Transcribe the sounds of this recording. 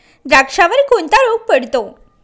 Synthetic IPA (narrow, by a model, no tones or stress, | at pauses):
ɾakʂaʋəɾkont̪aɾoɡ̚pəɽt̪o